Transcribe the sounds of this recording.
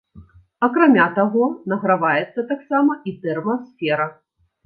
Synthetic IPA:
ɐkɾamʲat̪aɣɔnɐɣɾavajɛt̪sːɐt̪aksamɐit̪ɛrmɐsfʲɛɾɐ

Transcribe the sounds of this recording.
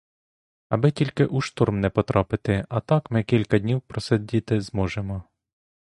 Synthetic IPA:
ɐbɪtʲilʲkɪʔuʃt̪urmnɛpɔt̪ɾɑpɪt̪ɪɐt̪ɑkmɪkʲilʲkɐdʲnʲiwpɾɔsedʲit̪ɪzmɔʒemɔ

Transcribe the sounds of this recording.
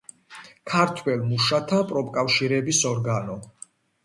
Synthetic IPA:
kʰaɾt̪ʰwɛlmuʃat̪ʰapʼɾɔpʼkʼafʃiɾɛbisɔɾɡanɔ

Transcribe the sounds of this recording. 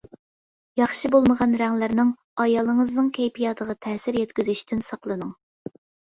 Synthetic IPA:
jɑχʃibolˠməʁɑnɾæŋlɪɾnɪŋ | ɑjɑːlˠəŋəznɨŋkʲʰɛjpʰijɑt̪ʰəʁɑt̪ʰɛːsɪɾjɛt̪kʲyzyʃt̪ʰynsɑqlˠɨnɨŋ

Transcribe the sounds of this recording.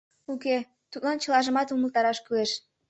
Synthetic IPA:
uke | t̪ut̪̚lɑnt͡ɕə̆lɑʒə̆mɑt̪uməlt̪ɑɾɑʃkyeʃ

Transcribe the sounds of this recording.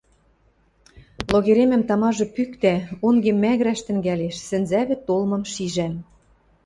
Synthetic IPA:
loɣeɾemɘ̆mt̪ɑmɑʒɤ̆pykt̪æoŋɡemːæɣɾæʃt̪ɘ̆ŋɡæleʃsɘ̆nzæβɘ̆t̪olmɤ̆mʃiʒæm

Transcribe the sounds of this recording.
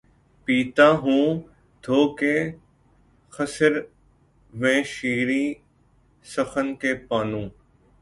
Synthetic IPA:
piːt̪ãːɦũː | d̪ʱoːkeː | xəsəɾ | ʋẽːʃiːɾiː | səxənkeːpaːnũː

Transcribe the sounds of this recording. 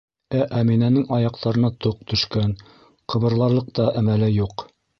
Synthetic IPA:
æʔæminænɘŋɑjɑq̚t̪ɑɾɤ̆nɑt̪oq̚t̪ɵ̆ʃkæn | qʰɤ̆βɤ̆ɾlˠɑɾlˠɤq̚t̪ɑʔæmælɘjuq

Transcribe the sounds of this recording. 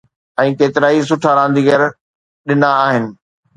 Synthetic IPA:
ɛ̃ːkeːt̪ɪɾaːis̬ʊʈʰaɾãːnd̪iːɡəɾ | ɗɪnaːɦɪnɪ̆

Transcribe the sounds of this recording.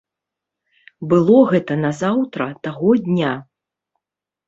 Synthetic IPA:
bɨlˠɔɣɛt̪ɐnɐzawt̪ɾɐt̪aɣɔd̪ʲnʲa

